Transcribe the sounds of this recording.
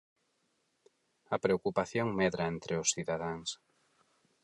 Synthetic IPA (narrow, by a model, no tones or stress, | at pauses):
ɐpɾeokupaθjoŋmeðɾaent̪ɾeʊsθiðaðaŋs